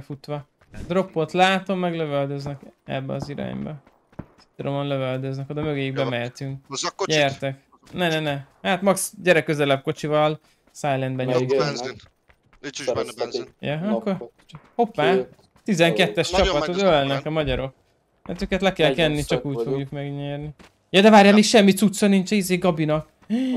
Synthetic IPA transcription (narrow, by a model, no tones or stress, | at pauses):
fut̪ʋɒ | d̪ro̞pːot̪laːt̪o̞mːɛɡløvøld̪øznɛkɛ̰bːɛɒziɾa̰ːɲbɒ | si̥t̪ːɾomonløvøld̪øznɛkod̪ɛmø̞ɡejiɡ̚bɛmɛt̪yŋkɟɛrt̪ɛk | nɛnɛnɛhaːt̪mɒksɟɛɾɛkːøzɛlɛb̚ko̞t͡ʃivɒl | sajlɛnd̪bɛɲøji | jɛɒkːor | ho̞pːaː | t̪izɛŋkɛt̪ːɛʃt͡ʃɒpɒt̪ɒzølnɛkɒmɒɟɒɾo̞k̚ | mɛːt̪øːkɛt̪lɛkɛlkɛnːit͡ʃɒkuːcfo̞ɡjukmɛɡɲɛːrni | jɒd̪ɛvaːrjaːmikʃɛmːit̪sut̪sɒnint͡ʃɛizeːɡɒbinɒk